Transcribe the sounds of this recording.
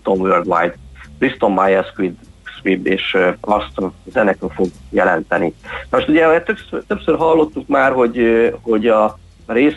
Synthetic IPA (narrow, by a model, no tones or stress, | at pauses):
t̪onvørd̪ʋajd̪krist̪o̞mːajɛskʋid̪sʋibeːʃɒst̪zɛnɛkøfo̞ɡjɛlɛnt̪ɛninɒmo̞ʃt̪uɟɛt̪øpsøt̪øpsøːrɦɒlːo̞t̪ːukmaːrɦo̞ɟho̞ɟɒ | reːs